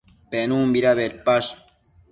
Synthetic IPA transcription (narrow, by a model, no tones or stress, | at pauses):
penũːmbiɾaβeɾpaʃ